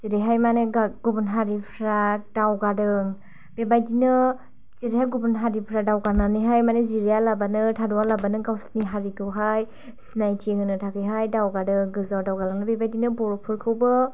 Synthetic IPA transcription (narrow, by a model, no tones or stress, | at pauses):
ziɾiɦajmaneɡaɡubunɦaɾipʰɾadawɡadɯŋ | b̥ebajdinɯ | t͡ʃiɾihajɡubunɦaɾipʰɾadawɡananiɦajmaneziɾijalabanɯtʰadɔwalabanɯɡawsniɦaɾikʰɯwɦaj | sinajtʰeŋɯnɯtʰakʰɯjɦajdawɡadɯŋɡɯzawdawɡalɯŋnɯbebajdinɯbɔɾɔpʰuɾkʰɯwbɯ